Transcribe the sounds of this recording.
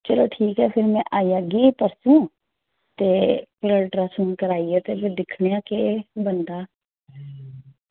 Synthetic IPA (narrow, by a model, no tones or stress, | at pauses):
t͡ʃəloːʈʰiːkɦɛːpʰɪɾmɛ̃ːʔaːijaːɡeːpəɾsũː | t̪eːpɪləlʈɾaːsũːnkəɾaːiːɛːt̪eːbed̪ɪkʰɽejãːkeːbənd̪aː